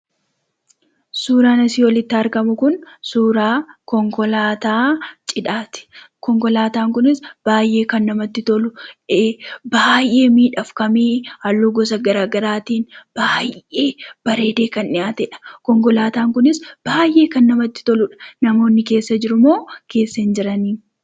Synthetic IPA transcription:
suːɾaːnɐsiːwɔlɪt̪ːɐɐɾkɐmʊkʊnsuːɾaːkɔŋkɔlaːt̪aːt͡ʃʼɪᶑaːt̪ɪ̥kɔŋkɔlaːt̪aːŋkʊnɪsb̥aːjʔe̞ːkɐnːɐmɐt̪ːɪt̪ɔlʊebaːjʔe̞ːmiːᶑɐfkɐmiːhɐlːoːɡɔs̬ɐɡɐɾaːɡɐɾaːt̪iːnb̥aːjʔeːb̥ɐɾe̞ːd̪eːkɐnʔɪjaːt̪ɛᶑɐ̥kɔŋkɔlaːt̪aːŋkʊnɪsb̥aːjʔe̞ːkɐnːɐmɐt̪ːɪ̥t̪ɔlʊᶑɐ̥nɐmo̞ːnːɪke̞ːsːɐd͡ʒɪɾʊmo̞ːke̞ːsːɐnd͡ʒɪɾɐniːn

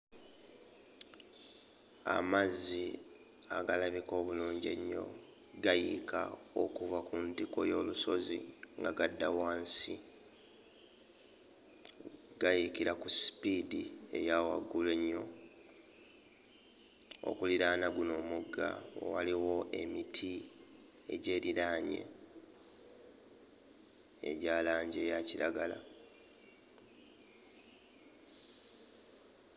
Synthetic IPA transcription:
a̰mazi | aɡalaβiko̞ːβuluːɲɟe̞̰ɲːo̞̰ | ɡajika̰okuvakuntiko̞̰jo̞ːluso̞zḭŋɡaɡadːawaːnsi | ɡ̥ajikiɾakusi̥pidiḛjawa̰ɡːule̞ɲːo̞ | o̞̰kuliɾaːnaɡuno̞ːmuɡːa̰o̰waliwo̞ʔe̞mitʰi | e̞ɟe̞ːɾilaːɲe̞̰ | ḛɟaːlaːɲɟe̞jaciɾaɡala

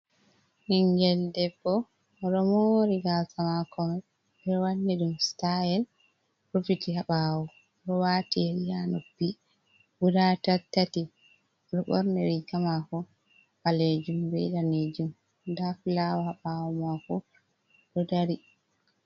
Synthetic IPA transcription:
hiŋɡɛldɛbːɔ | ɾɔmoɾiɡalsamakɔmɛ | bɛwanːɛɗumstajɛl | pɾofitiɦaɓaːwɔ | ɾɔwaːtɛɾijanopːi | budatatːati | ɾɔɓɔ̰ɾnɛɾikamakɔ | paled͡ʒumbɛ̰daned͡ʒum | dafilawahaɓawɔmakɔ | ɗɔdaɾi

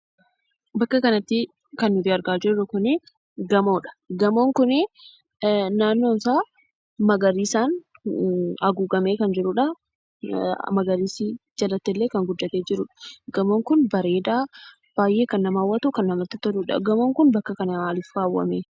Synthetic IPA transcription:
bɐkːɐkɐnɐt̪ːɪ | kɐnːʊd̪ɪɐɾɡaːd͡ʒɪɾɔkʊne | ɡɐmo̞ːᶑɐ̥ɡɐmoːŋkʊne | naːnːo̞ːnsaː | mɐɡɐɾiːsaːn | ɐɡuːɡɐmeːkɐnd͡ʒɪɾʊᶑɐ | mɐɡɐɾiːsid͡ʒɐlɐt̪ːɛlːeːkɐŋɡʊd̪ːɐt̪eːd͡ʒɪɾʊᶑɐ̥ɡɐmoːŋkʊnbɐɾe̞ːd̪aː | b̥aːjʔe̞ːkɐnːɐmaːwːɐt̪ukɐnːɐmɐɾt̪ɪt̪ːɐd̪ʊᶑɐ̰ɡɐmoːŋkʊnbɐkːɐkɐnɐaːlɪfkaːwːɐ̰meː

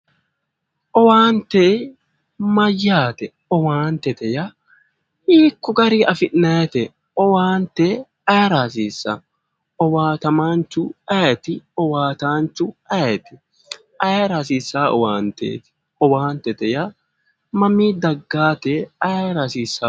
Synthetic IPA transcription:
ʔɔwaːnt̪e | mɐjːaːt̪ɛ | ɔwaːnt̪ɛt̪ɛjɐ | ʔiːkːɔɡɐɾiːɐfɪʔːɐɛt̪ɛ | ɔwaːnt̪e | ɐjɐɾaːs̬iːsːɐ | ɔwaːt̪ɐmaːnt͡ʃːʊɐɛt̪ɪɔwaːt̪aːnt͡ʃːʊɐɛt̪ɪ | ɐjɐɾaːsiːsːaːʔɔ̰waːnt̪ḛːt̪ɪ̥ | ɔwaːnt̪ɛt̪ɛjɐ | mɐmiːd̪ɐɡːaːt̪eɐjɾaːsiːsːaː

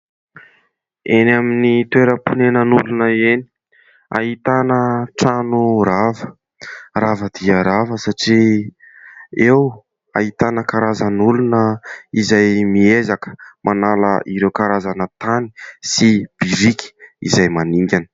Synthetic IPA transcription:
enaminit̪weɾəpunenənulunəeni̥ | a̰ɦit̪anəʈ͡ʂanuɾavə | ravəd̪̥iəɾavəsaʈ͡ʂi | ew | a̰ɦit̪anəkaɾazanulunəizajmiezakə̥manalə̰ʔiɾewkaɾazanət̪ani̥sib̥iɾikʲi̥ḭzajmaniŋɡʲanə̥

